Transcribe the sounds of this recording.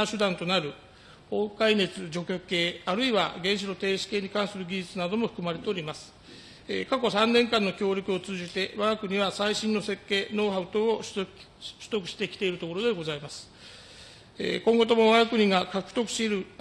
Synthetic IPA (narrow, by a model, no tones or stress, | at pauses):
ɕɨd̪ãnt̪o̞naɾɯ̟ | oːkaine̞t͡sɨd͡ʑo̞kʲo̞ke̞ːaɾɯ̟iβaɡẽ̞ɰ̃ɕ̬ino̞t̪e̞ːɕi̥ke̞ːɲ̟ikãɰ̃sɨɾɯ̟ɡʲiʑit͡sɨnad̪o̞mo̞ɸɯ̥komaɾe̞t̪e̞oɾʲimasɨ̥ | ḛkako̞sãnːẽ̞ŋkãnːo̞kʲo̞ːɾʲokɯo̞t͡sɨːd͡ʑit̪e̞βaɡakɯ̟ɲ̟iβasaiɕĩnːo̞se̞kːe̞ːno̞ːɦaɯ̟t̪o̞ː | ɕɨ̥t̪o̞kɯ̟ɕi̥t̪e̞kʲi̥t̪e̞iɾɯ̟t̪o̞ko̞ɾo̞d̪e̞ɡo̞zaimasɨ̥ | kõ̞ŋɡo̞t̪o̞mo̞βaɡakɯ̟ɲ̟iɡakakɯ̟̥t̪o̞kɯ̟̥ɕeɾɯ̟